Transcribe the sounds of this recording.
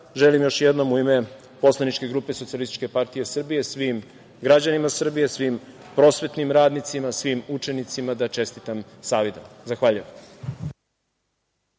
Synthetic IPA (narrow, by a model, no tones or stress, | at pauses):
ʒelimjoʃjed̪no̞muime̞ | po̞slˠanit͡ʃke̞ɡɾuːpesot̪ialist̪i̥t͡ʃkʲe̞paɾt̪ijesr̩bije̞sʋim | ɡɾad͡ʑanimasr̩bijesʋim | pɾo̞ːsʋe̞t̪nimɾaːd̪nit̪simasʋimut͡ʃe̞nit̪simad̪at͡ʃe̞st̪it̪amsaːʋid̪amzaxʋaːʎuj